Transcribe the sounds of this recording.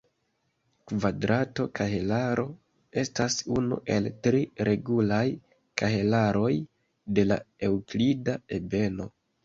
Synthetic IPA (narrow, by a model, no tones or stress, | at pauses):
kvadɾato̞kʰahelaɾʔo̞ | e̞stasunṵʔe̞ltɾiɾʔe̞ɡulaj | kaɦe̞laɾo̞j | de̞la̰e̞wklidae̞be̞no̞